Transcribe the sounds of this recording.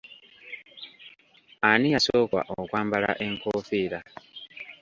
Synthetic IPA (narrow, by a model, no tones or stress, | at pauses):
anijasoːkwa̰ʔokwaːmbala̰ʔeŋkofiːɾa